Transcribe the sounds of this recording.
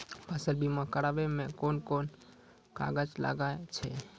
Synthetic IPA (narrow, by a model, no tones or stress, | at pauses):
pəsəlbimakəɾabemekonkon | ka̰ɡəd͡ʒla̰ɡaet͡ʃʰɛ